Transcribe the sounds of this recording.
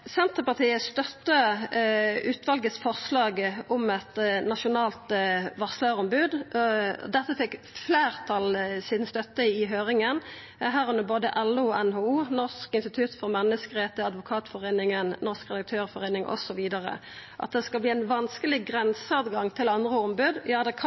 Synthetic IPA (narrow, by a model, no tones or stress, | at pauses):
sɛnt̪əʁpɑʁt̪ʰiːəst̪œt̪ːə | ʉːt̪ʋɑlɡət̪sfɔʁslɑːɡɔmɛt̪nɑʃʊnɑːlt̪ʋɑʁsløʁɔmbʉːd̪̰ | d̪ɛt̪ːəfɛkː | fleːʁt̪ʰɑlsiːd̪nst̪œt̪ːəɪɦøːʁɪŋən | ɦæːʁʉnəboːd̪əʔɛlʊʔɛnhoːuːnɔʁskɪnst̪ɪt̪ʰʉt̪fɔʁmɛnːəskəʁeːt̪əɑd̪ʋʊkʰɑːt̪fɔʁeːnɪŋənnɔʁskʁɛd̪ɑk̚t̪ʰøːʁfɔʁeːnɪŋʔɔ̰sɔʋiːd̪ɑʁə̰ | ʔɑ̰t̪̚d̪ɛskɑlbliːæɪnʋɑnskəlɪɡʁɛnsəɑt̪ɡɑŋt̪ʰɪlɑnd̪ʁəɔmbʉd̪jɑːd̪ɛkʰ